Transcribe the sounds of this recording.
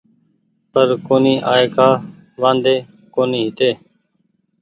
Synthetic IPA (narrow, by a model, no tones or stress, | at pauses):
pəɾkoːniːʔaːeːkaː | ʋãːnd̪eː | koːniːɦɪt̪eː